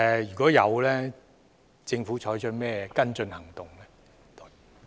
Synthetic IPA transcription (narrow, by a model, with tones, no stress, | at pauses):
ɛ˧jyː˨˩kɔː˨˥jɐ˨˧wlɛː˥ | t͡sɪ˧ŋfuː˨˥t͡ʃʰɔː˨˥jt͡ʃʰɵ˥t̚mɛː˥kɐ˥nt͡sɵ˧nhɐ˨˩ŋt̪ʊ˨ŋlɛ˥ | t̪o˧